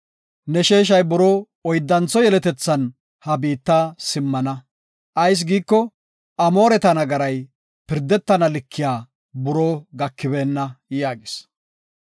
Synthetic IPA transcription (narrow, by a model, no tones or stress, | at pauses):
nɛʃeːʃ̬ɐjbʊɾoː | ɔjd̪ːɐnt͡sɔjɛlɛt̪ɛt͡sːɐn | hɐbiːt̪ːaːsɪmːɐnɐ | ʔɐjs̬ɡiːkːɔ | ʔɐmo̞ːɾɛt̪ɐnɐɡɐɾɐj | pɪɾd̪ːɛt̪ːɐnɐlɪkʰːɪjaː | bʊɾoːɡɐkːɪbe̞ːnːɐjaːɡɪs